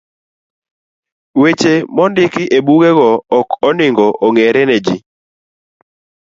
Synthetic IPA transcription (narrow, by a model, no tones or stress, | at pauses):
wet͡ʃemɔndɪkɪʔebuɡɛɣɔɔkɔnɪŋɡɔʔoŋeɾɛnɛd͡ʒi